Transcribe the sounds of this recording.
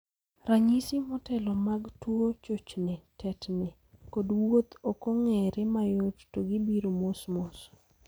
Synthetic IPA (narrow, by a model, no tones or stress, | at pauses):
ɾaɲisɪmɔtɛlɔmaɡtwot͡ʃot͡ʃnɪtʰɛtnɪ | kodwot̪okoŋɛɾɪmajottoɡibiɾomosmos